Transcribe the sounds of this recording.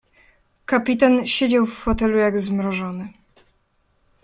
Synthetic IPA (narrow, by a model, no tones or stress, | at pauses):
kapʲit̪anɕed͡ʑawfːɔt̪ɛlujaɡzmɾɔʐɔnɘ